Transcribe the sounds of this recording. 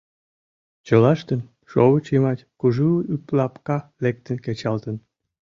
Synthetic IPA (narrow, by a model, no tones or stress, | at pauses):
t͡ɕəlɑʃt̪ən | ʃoβət͡ɕimɑt̪ʲkuʒuyplɑpkɑlek̚t̪ənket͡ɕɑlt̪ən